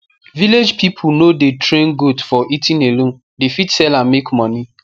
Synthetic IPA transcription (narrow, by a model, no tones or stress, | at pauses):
viled͡ʒpipʰunodetʰɹẽnɡudfɔʔitĩnelõn | defitsɛlãmekmɔni